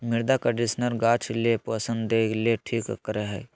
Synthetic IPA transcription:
mɪɾd̪akɐɖisnəɾɡaːt͡ʃʰlepəsə̃nd̪d̪eleʈʰiːkkəɾeɦɛ̰

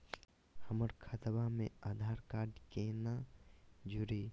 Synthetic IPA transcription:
həməɾkʰət̪bamẽaːd̪ʱaːɾkaːɾɖkeːna | d͡ʒuɾiː

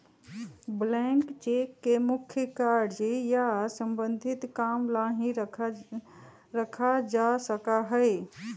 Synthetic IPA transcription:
blɛ̃ŋkt͡ʃekːemʊkʰjəkaɾɖd͡ʒejasə̃mbə̃nd̪ʱɪt̪kamlaɦĩɾʰ | ɾəkʰad͡ʒasəkaɦəe

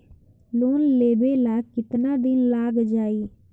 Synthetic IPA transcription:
loːnleːbelaːɡkɪt̪naːd̪ɪnlaːɡd͡ʒaːiː

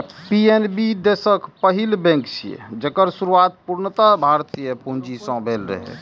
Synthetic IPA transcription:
pienbid̪esəkpəɦilbẽŋkt͡ʃʰḭjḛd͡ʒekəɾsuɾuat̪̚puɾnət̪abʱaɾt̪ijəpund͡ʒisə̃bʱelɾə̰ɦɛ̰

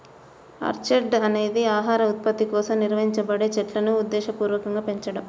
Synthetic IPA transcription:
ɐ̰ɾt͡ʃeɖɐne̞ːd̪iaːɦaːɾɐut̪̚pɐt̪ːikɔːsɐmniɾʋɐɦiɲt͡ʃɐbɐɽe̞ːt͡ʃɛʈlɐnuːd̪ːɛːʃɐpuːɾʋɐkɐŋɡaːpe̞ɲt͡ʃɐɽɐm

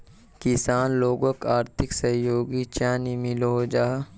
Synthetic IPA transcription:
kɪsaːnloːɡokaːɾt̪ʰɪksəɦjoːɡit͡ʃaːnimɪloɦod͡ʒaːɦ

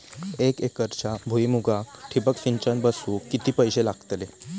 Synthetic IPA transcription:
ekekəɾt͡ɕabʱuimuɡʱakʈʰibəkfiɲt͡ɕənbəsuːkːit̪iːpəjɕelaɡ̥t̪le

